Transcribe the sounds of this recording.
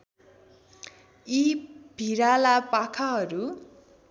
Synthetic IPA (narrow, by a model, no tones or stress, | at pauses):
ibʱiɾalapakʰaɦʌɾu